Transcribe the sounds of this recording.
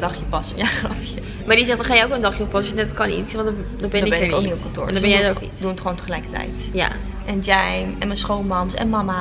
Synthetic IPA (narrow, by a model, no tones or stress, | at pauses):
dɑχjəpɑsənjaχrɑpjə | maːɹdizɛχtɔχaːjɛowkəndɑχjəɔpɑsənɛdtkɑnḭksʋɔnd | dɔbɛnbɛnɪokniɔp̚kɑ̃ntʊ̰ːɹndbɛjɛdokḭdunətχəʋowntəχəlɛjkə̥tɛ̰jtja̰ | ɛnd͡ʒɛjmɛnmənsχowlˠmɑmsɛ̰nmɑma